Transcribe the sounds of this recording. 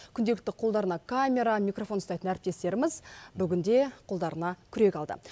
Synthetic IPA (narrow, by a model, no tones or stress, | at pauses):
kʲʰʏnd̪e̞lɪk̚t̪ɪqʰolˠd̪ɑɾənɑkʰamʲe̞ɾɑmijkro̞fo̞nəst̪ɑjt̪ənæɾɪp̚t̪e̞st̪e̞ɾɪmɪzbʏɡʲɪnd̪e̞qʰolˠd̪ɑɾənɑkʲʰʏɾe̞kʲɑlˠd̪ə̰